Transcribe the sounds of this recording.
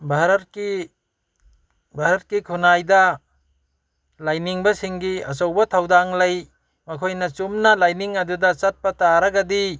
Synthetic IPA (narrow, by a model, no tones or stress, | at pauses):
bʱaɾɐt̚ki | bʱaɾɐt̚kikʰunajdɐ | lajniŋbɐsiŋɡiɐ̰sɐwbɐtʰawdaŋlɐj | mɐkʰojnɐt͡ʃumnɐlajniŋɐdudɐt͡ʃɐt̚pɐtaɾɐɡɐdi